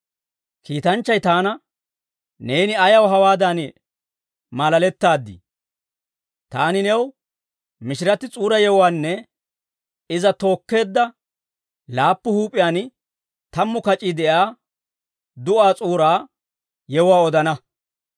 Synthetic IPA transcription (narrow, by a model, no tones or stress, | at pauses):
kiːt̪ɐnt͡ʃːɐjt̪aːnɐ | ne̞ːnɪɐjɐwɦɐwaːd̪ɐn | mɐlɐlɛt̪ːaːd̪ːḭ | t̪aːnɪnɛw | mɪʃɪɾɐt̪ɪt͡sʼuːɾɐjɛwwaːnːɛ | ɪzɐt̪o̞ːkːe̞ːd̪ːɐ | laːpːʊhuːpʼːɪjaːn | t̪ɐmːʊkɐt͡ʃʼid̪ɛjaː | d̪ʊʔaːt͡sʼuːɾaː | jɛwʊwaːɔd̪ɐnɐ